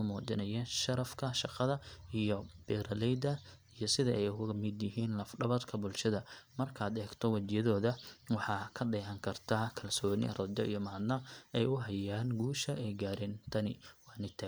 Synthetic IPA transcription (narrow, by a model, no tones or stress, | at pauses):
ɐmuːt͡ʃɪnɐjɛːnʃɐɾɐfkʰɐʃɑqɑðɐijɔb̥ɛːɾɐlɛjd̪ɐijɔsɪðɐʔɛjkmɪd̪jɪɦiːnlɐfɖɐβɐd̪kʰɐbʊlʃɐðɐmɐrkʰaːd̪ɛːɡt̪ʰɔwɐt͡ʃɪjɐðɔːðɐwɑħɑːkʰɐɖɛːhɐŋkʰɐrt̪ʰaːkʰɐlsɔːnɪ̰rɐd͡ʒɔḭjɔmaːd̪nɐɛjʊɦɐjaːnɡuːʃɐʔɛjɡaːɾɛːnt̪ʰɐnɪwɑːnɪt̪ʰa